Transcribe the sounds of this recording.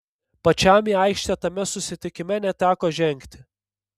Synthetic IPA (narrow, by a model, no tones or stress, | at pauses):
pɐt͡ʃʲæmʲiːɐɪkʃʲt̪ʲɛt̪ɐmʲɛsʊsʲɪt̪ʲɪkʲɪmʲɛnʲɛt̪ʲæːkoːʒʲɛŋʲkt̪ʲɪ